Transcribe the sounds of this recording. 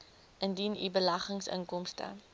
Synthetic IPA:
ʔəndinḭbəlɐχəŋsə̰ŋkɔmstə̰

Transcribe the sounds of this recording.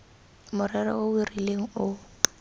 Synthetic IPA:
mʊrɛrɔ̰ʊirileŋ̩ʊ

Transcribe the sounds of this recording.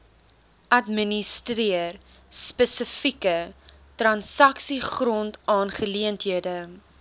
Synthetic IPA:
ʔɐtmənistriər | spəsəfikə | trɐnsɐksiχrɔntɑːnχəliəntɦiədə

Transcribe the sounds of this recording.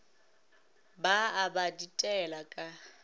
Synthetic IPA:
baːbaditʼɛlakʼa

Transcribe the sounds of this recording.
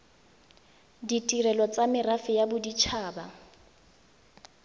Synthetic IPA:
ditʼirɛlɔt͡sʼamɪrafɪjabʊdit͡ʃʰaːba

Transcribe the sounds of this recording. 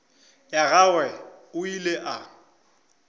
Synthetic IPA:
jaɣawɛ | ʊileʔa

